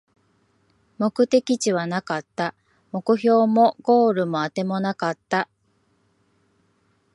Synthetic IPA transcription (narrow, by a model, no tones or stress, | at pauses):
mo̞kɯ̟t̪e̞kʲit͡ɕiβanakat̪ːa | mo̞kɯ̟ço̞ːmo̞ɡ̥o̞ːɾɯ̟mo̞at̪e̞mo̞nakat̪ːa